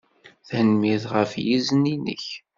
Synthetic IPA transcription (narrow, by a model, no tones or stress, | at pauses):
θænmiðʁəfjizninə̰ç